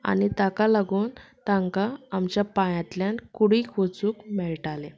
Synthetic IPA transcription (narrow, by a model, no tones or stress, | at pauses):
a̰nit̪akalaɡuːnt̪ãŋkaːmt͡ɕjapãjãt̪ljankuɽikʰʋot͡suːkmɛɭʈale